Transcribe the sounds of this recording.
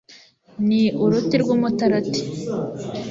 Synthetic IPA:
niuɾutiɾɡumutaɾati̥

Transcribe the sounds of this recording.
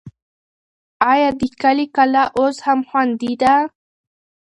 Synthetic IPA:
ajad̪ikalikalaʔoshamxwand̪id̪a

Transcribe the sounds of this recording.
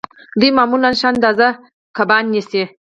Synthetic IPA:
d̪ujmamulanʃand̪aza | kabɑnːisi

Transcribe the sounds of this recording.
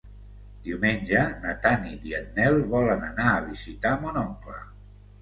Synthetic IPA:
d̪̥iuwmenʲʒənat̪aniðiat̪̚nɛlˠβɔlənanaːβ̞izit̪amonɔŋklə̰

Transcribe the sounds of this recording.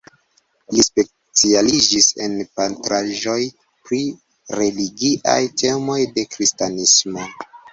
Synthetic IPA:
lispe̞ | t͡sialid͡ʒise̞̰npantɾaʒo̞j | pɾi | ɾe̞liɡiʔa̰jte̞mo̞jde̞kɾistanismo̞

